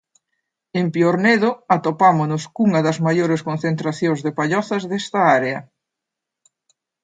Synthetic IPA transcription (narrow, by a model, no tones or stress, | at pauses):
empjoɾneðʊat̪opamonʊskuŋɐðɐzmajoɾeskon̟θent̪ɾaθjoŋzðepaʎɔθɐzðest̪ɐaɾeɐ